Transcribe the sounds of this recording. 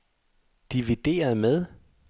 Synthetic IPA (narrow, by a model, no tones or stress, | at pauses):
d̥iʋid̥e̝̰ːɐð̩ˠmeð̞ˠ